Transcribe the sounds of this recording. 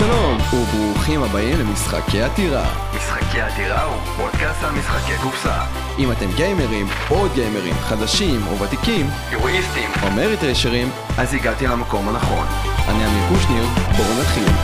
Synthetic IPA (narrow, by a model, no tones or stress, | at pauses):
ʃalonubʁuχimabaimlemisχa̰kejat̪iʁa̰ | misχakejat̪iʁau | pod̪kast̪almisχakeɡufsa̰ | ʔimat̪emɡejmeʁim | pod̪̚ɡejmeʁḭmχad̪aʃimṵvat̪ikim | eʁuist̪imo̞meʁit̪ʁeʃeʁim | ʔaziɡat̪ilamako̞mhanaχo̞̰n | ʔa̰niamikuʃniʁboʁunaχil